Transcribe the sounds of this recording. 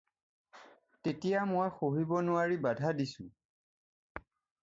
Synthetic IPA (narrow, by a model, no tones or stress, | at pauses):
tetijamojxoɦibɔnʊaɹibadʱadisʊ̃